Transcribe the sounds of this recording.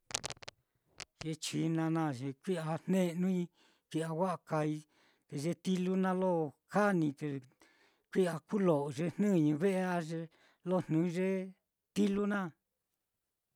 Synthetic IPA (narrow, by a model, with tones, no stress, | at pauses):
ʒ̥e˧t͡ʃi˧nã˧nã˦˧˨ʒe˧kʷi˦a˧n̥nẽ˦nũ˦i˧ | kʷi˧a˧wa˦ʔa˧ka˧i˧ | t̪e˧ʒe˧˦t̪i˦lu˦nã˧lo˦˨ka˦nĩ˧t̪e˧ | kʷi˦a˧ku˦lo˨ʔo˨ʒe˧n̥nɨ̃˦˨ɲũ˧βe˦ʔe˧˦a˧ʒe˧ | lo˦˨n̥nũ˨˦ʒe˦ | t̪i˦lu˦nã˦˨